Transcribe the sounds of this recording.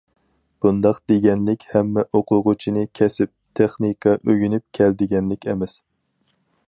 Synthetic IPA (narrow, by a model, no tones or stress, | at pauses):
b̥und̪ɑqd̪eɡʲɛnlɪkʲhɛmːɛʔoqʰʊʁʊt͡ʃʰinɨkʲʰɛsɪp̚t̪ʰeχnikʰɑʔøɡʲynyp̚kʲʰɛld̪ɪɡʲɛnlɪkʲɛmɛs